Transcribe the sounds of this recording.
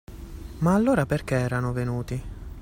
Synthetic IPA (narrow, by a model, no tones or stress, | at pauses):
maːlːoːɾaperk̟eɛːɾanovenuːt̪i